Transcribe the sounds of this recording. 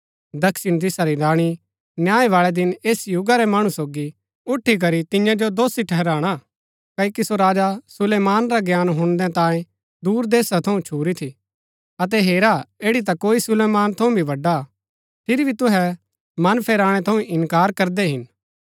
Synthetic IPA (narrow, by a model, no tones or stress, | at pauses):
d̪ɐkʃɪñt̪̬ɪsaɾinãːɽ̃i | njaːeʋaːɭɛd̪ɪneːsjʊɡaɾɛmaːɽ̃ũsoːɡi | ʊʈʰːik̬ɐɾit̪ɪjãd͡ʒod̪oːsiʈʰɛɦɛɾaːɽ̃a | kɐkisoɾaːd͡ʒasʊleːmaːnɾaɡjaːnɦʊ̃nd̪ɛ̃t̪ãːẽ | d̪uːɾd̪eːsat̪ʰɐũt͡ʃʰuːɾit̪ʰi | ɐt̪̬ɛɦeːɾaeːɽit̪̬akoːisʊleːmaːnt̪ʰɐũbʱiʋɐɖːa | pʰɪɾibʱit̪ʊɦɛ | mɐnpʰɛːɾaːɽ̃ɛt̪ʰɐũʔɪ̃nkaːɾkɐɾd̪ɛɦɪn